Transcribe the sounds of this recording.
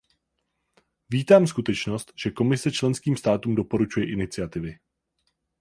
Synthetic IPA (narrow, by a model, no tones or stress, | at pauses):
viːt̪aːmskut̪ɛt͡ʃno̞st̪ʒ̥ɛko̞mɪsɛt͡ʃlɛnskiːmst̪aːt̪uːmdo̞po̞ɾut͡ʃujɛʔɪnɪt͡sɪat̪ɪvɪ